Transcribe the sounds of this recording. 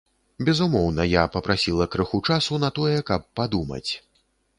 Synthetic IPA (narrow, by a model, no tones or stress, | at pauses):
bʲɛzumɔwnɐjapɐpɾasʲilˠɐkɾɨxut͡ʂasunɐt̪ɔjɛkɐpːad̪umɐ̰t͡sʲ